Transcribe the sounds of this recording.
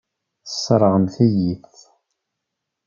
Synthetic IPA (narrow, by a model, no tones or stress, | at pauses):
θə̥sˤːɾˤəʁəmθijiθ